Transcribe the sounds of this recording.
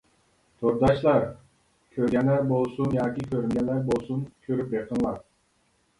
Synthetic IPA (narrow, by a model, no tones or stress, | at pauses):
t̪ʰoɾd̪ɑʃlˠɑɾ | kʲʰøɾɡʲɛnlæɾbolˠsunjɑːkʲikʲʰøɾyŋɡʲɛnlæɾbolˠsunkʲʰøɾyp̚jeqʰənlˠɑɾ